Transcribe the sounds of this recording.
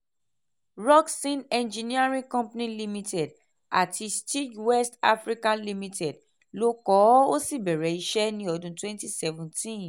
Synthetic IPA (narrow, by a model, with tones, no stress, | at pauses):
ɹɔ˦ksĩ˦nɛ̃˨nd͡ʒi˨ni˦a˦ɹĩ˦kɔ̃˦mpnĩ˦li˦mi˦tɛ˨d | a˨ti˨sti˦d͡ʒwɛ˦sta̰˦fɾi˦kã˦nli˦mi˦tɛ˨d | lo˦kɔ˨˦o˦si˦bɛ˨ɹɛ˨i˦ʃɛ˦nĩ˦ɔ˨dũ˨twɛ̃˦nti˦sɛ˦vũ˨ntĩ˦n